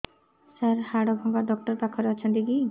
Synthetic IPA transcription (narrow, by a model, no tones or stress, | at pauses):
saɾhaɽɔbʱɔŋɡaɖɔk̚ʈɔɾt̪akʰɔɾeɔt͡ʃʰɔnt̪iki